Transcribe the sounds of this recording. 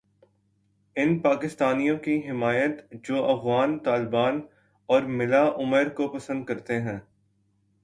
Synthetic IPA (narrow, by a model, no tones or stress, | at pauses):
ɪnpaːkɪst̪aːnijõkiɦɪmaːjət̪d͡ʒoːʔɐfɣaːnt̪aːlɪbaːn | ɔːɾmɪlaʔʊməɾkopɐsə̃nd̪̚kɐɾt̪eɦɛ̃ː